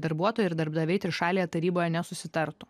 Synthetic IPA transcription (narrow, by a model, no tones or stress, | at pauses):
d̪ɐɾbuɔt̪oːjʊɪɾd̪ɐɾbd̪ɐʋʲɛɪt̪ʲɾʲɪʃɑːlʲejɛt̪ɐɾʲiːboːjɛnʲɛsʊsʲɪt̪ɐɾt̪ʊ